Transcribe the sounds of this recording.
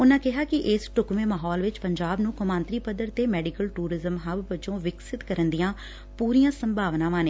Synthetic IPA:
ʊnãːkɪɦaːkɪʔɪːsʈʊkʋẽːmaːɦɔːlʋɪt͡ʃpəɲd͡ʒaːbnũːkʊmãːnt̪ɾiːpəd̪əɾt̪eːmɛːɖɪkəlʈuːɾɪzəmɦəʋʋət͡ʃõːʋɪksɪt̪kəɾənd̪ijãː | puːɾijãːsə̃mbʱaːʋnãːʋaːneː

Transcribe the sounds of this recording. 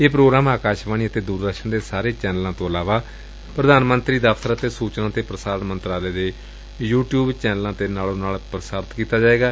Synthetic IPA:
eːpɾoːɡɾaːmaːkaːʃʋaːniːət̪eːd̪uːɾd̪əkʃəɳd̪eːsaːɾeːt͡ʃɛːnəlãːt̪õːəlaːʋaː | pɾəd̪aːnmənt̪ɾiːd̪afʰt̪əɾaət̪eːsuːt͡ʃnãːt̪eːpɾəsaːɾənmənt̪ɾaːleːd̪eː | juːʈjuːbt͡ʃɛːnəlãːt̪eːnaːlõːnaːlpɾəsaːɾt̪kiːt̪aːd͡ʒaːeːɡaː

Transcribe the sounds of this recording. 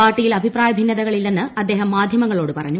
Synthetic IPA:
aːrʈːijilɐbʱipraːjɐbʱinːɐðɐɣɐɭilːenːɨʔɐd̪ːeːɦɐmːaːd̪ʱjɐmɐŋːɐɭo̞ːɽɨpɐrɐɲːu

